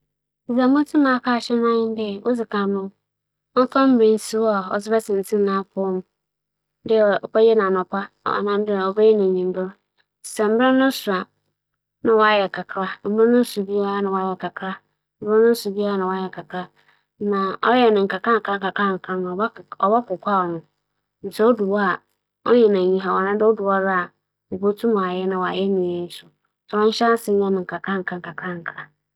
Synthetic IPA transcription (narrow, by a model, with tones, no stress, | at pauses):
i˨za˨mʊ̃˦tʰɪ˦mã˨˦kʰa˦˨ɕɛ˦n˦ã˦ɲɪ̃˦n˦dɪ˦ɛ˨wʔo˦d͡zɪ˨kʰa˨nʊ̃˦ | ɔ˦kã˦m̩˦bĩ˦n˦su˦wa˨ɔ˨sɪ˦bɛ˦sɪ̃˨n˨tʰĩ˦nã˦pʰʊ˦m˦ | dɪ˦˨ɔ˨pɛ˦jɛ˦nã˨nʊ̃˨pʰa̰˦˨a̰˨nã˦m˦dɪ˦ɛ˨ɔ˨bɛ˦jɛ˦nɪ̃˨ɲĩ˨m̩˦bɪ˦ɾ | sɛ˨m̩˦bɪ˦ɾʊ˦nʊ̃˦sʊ˨ɾa˨ | nɪ̃˨wɔ˦a˦jɛ˨kʰa˨kʰɾa˦m̩˦bɪ˦ɪ˦nʊ̃˦su˨bi˦a˦nɪ̃˨wa˦jɛ˨ka˨kʰɾa˦ | m̩˦bɪ˦nʊ̃˦n̩˦sʊ˨bi˦a˦nɪ̃˨wɔ˨a˦jɛ˨kʰa˨kʰɾa˦ | nã˨ʔɔ˦jɛ˦˨nɪ̃˨ŋ̩˨ka˨kã˦ŋ̩˨kã˦ŋka˨kʰa˦ŋ̩˨kʰa˦nʊ̃˨ɔ˨ba˦˨ɔ˨ba˦kʊ˨kʷʰa˦˨nʊ̃˨ | n̩˨sʰɛ˦o˦du˨wa˦˨ | ɔ˦ɲɛ̃˨nã˨ɲĩ˨ɦa˨wɔ˨nã˦dɪ˦ɔ˦du˨wa˦ɾa˦a˨ | bo˦tʰũ˦mã˨a˨jɛ˦nã˨wɔ˨a˨jɛ˦nɪ̃˨je˦sʊ˨ | sɔ˨˦ɔ̃˦ɲ˦ɕa˦sɪ˦ɲɛ̃˦nɪ̃˨ŋ̩˨kʰa˨kʰa˦ŋ̩˨kʰã˨ŋ˨ka˨kʰa˦ŋ̩˨kʰɾa˦